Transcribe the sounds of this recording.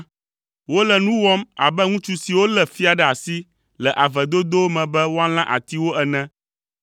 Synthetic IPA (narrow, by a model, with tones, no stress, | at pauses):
wo˦lɛ˨nũ˦wɔ˦ma̰˨bɛ˦ŋũ˦t͡ʃu˦si˨wo˦lɛ˨fi˦a˨ɖɛ˨a˨si˦ | lɛ˨ʔa˨vɛ˨d̪o˦d̪o˦mɛ̃˨bɛ˦wo˦a˦l̃ã˦ʔa̰˨t̪i˦wo˦ɛ˨nɛ̃˦